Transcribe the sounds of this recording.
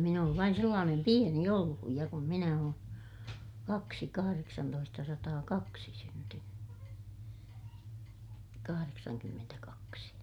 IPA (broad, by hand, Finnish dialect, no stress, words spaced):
min oːʋ ʋɑin selːɑːnem pieni olːuj jɑ kun minæ oːn kɑksi kɑhɑreksɑntoistɑsɑtɑːkɑksi syntyny kɑhɑreksɑnkymːentækɑksi